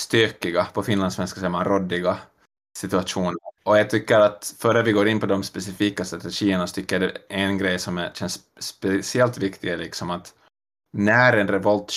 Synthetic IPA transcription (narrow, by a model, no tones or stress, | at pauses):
st̪øːkɪɡapʰɔfɪnlansʋɛnskasɛmanɾɔd̪ːɪɡa | sɪt̪ʉaʂuːnəɾɔjaɡt̪ʰʏkːəɾat̪fœɾəʋɪɡoːɾɪnpʰɔd̪ɔmspɛsɪfiːkast̪ɾat̪ɛʂiːənasɔ̥t̪ʰʏkːəəɖɛɛnɡɾɛjsɔmɕɛnsː | pɛsɪɛlt̪vɪkt̪ɪɡlɪksɔmat̪ | næɾɛnɾɛvɔlt̪